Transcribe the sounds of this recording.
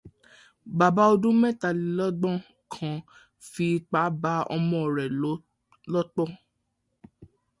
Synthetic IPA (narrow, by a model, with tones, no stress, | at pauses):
ba˨ba˦o˧dũ˦mɛ̃˦˨ta˨li˨˦lɔ˦ɡ͡bɔ̃˦˨ | kʰã˨ | fi˧k͡pa˨˦ba˦ɔ̰˧mɔ̃˧˨ɾɛ˨˦ | lɔ˦k͡pɔ˦˨